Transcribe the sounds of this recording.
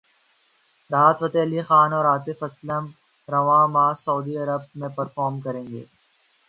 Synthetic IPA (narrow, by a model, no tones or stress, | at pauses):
ɾaːt̪ʋɐt̪ɛːlixaːnɔːɾaːt̪efɐsləm | ɾɐʋãːmaːsɐud̪iɐɾəb̚mẽpɐɾfɔːɾmkɐɾẽːŋɡḛː